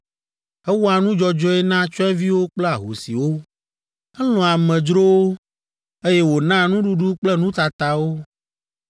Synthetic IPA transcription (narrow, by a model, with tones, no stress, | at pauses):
ɛ˦wɔ˦a˨nũ˦d͡ʒɔ˦d͡ʒɔ˦ɛ˦nã˦t͡ʃɔ˦ɛ̃˦vi˦wo˦k͡plɛ˦a˨ɦo̰˨sḭ˨wo˦ | ɛ˦lɔ̃˨a˨mɛ̃˨d͡ʒɾo˦wo˦ | e˦jɛ˦wo˨nã˦nũ˦ɖu˦ɖu˦k͡plɛ˦nũ˦t̪a˨t̪a˨wo˦